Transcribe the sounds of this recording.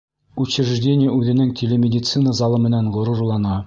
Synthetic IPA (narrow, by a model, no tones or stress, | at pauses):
uɕɪ̆ɾʒdʲenʲɪjəʉðɘ̆nɘŋt̪ʲʰelʲemʲɪdʲɪt̪sɨnəzɑlˠɤmɘ̆nænʁŏɾuɾlˠɑnɑ